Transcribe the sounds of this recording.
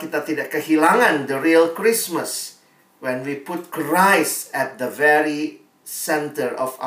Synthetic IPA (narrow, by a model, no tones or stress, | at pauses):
kit̪at̪idakːəhilãŋãndəɹiəlkɹisməs | wɛ̃nwiput̚kɹaɪsɛt̚d̪əvɛɹi | sɛ̃ntəɹɔfa̰